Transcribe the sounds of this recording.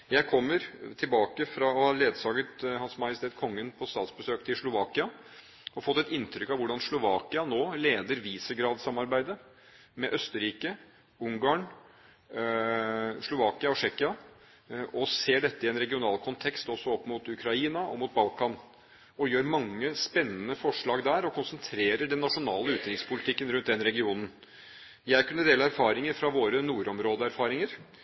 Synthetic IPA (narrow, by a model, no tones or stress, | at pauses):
jæɪkʰɔmːəɾt̪ʰɪlbɑːkəfɾɑɑleːd̪sɑːɡət̪hɑnsmɑjɪsɪt̪ʰeːt̪kʰɔŋːənpʰɔst̪ɑːt̪sbəsøːkt̪ʰɪlʂlʊʋɑːkɪɑ | ɔfɔt̪ːɛt̪ɪnt̪ʰɾʏkːɑʋʊɖɑnslʊʋɑːkɪɑnoːleːd̪əɾʋiːsəɡɾɑːd̪sɑmːɑɾbæɪd̪ə | mɛʔœst̪əɾiːkə | ʊŋɡɑːɳ | ʂlʊʋɑːkɪɑɔʂɛkɪɑ | ʔɔseːɖɛt̪ːəɪɛnɾɛɡɪʊnɑːlkʰʊnt̪ʰɛkst̪ɔsːɔɔpːmʊːt̪ʉkʰɾɑiːnɑɔ̰muːt̪̚bɑlkɑn | ɔjøːɾmɑŋːəspɛnːənəfɔʂɭɑːɡd̪æːɾɔkʰʊnsənt̪ʰɾeːɾəɖɛnːɑʂʊnɑːləʉːt̪ɾɪŋspʰʊlɪt̪ʰɪkːənɾʉnt̪̚d̪ɛnɾɛɡɪuːnən̩ | jæɪkʉnːəd̪eːləæɾfɑːɾɪŋəɾfɾɑʋoːɾənuːɾɔmɾoːd̪əæɾfɑːɾɪŋəɾ